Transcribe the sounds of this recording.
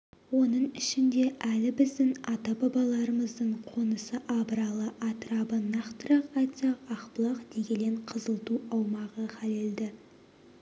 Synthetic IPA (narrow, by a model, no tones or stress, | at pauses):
wo̞nəɴɪʃɪnd̪e̞ʔælɪbɪzd̪ɪŋɑt̪ɑbɑbɑlˠɑɾəməzd̪əɴqʰo̞nəsəʔɑbəɾɑlˠəʔɑt̪əɾɑbənɑqt̪əɾɑqɑjt̪sɑqɑqpəlˠɑqd̪̥e̞ɡʲeleɴqʰəzəlˠt̪uɑwmɑʁəχæleld̪ɪ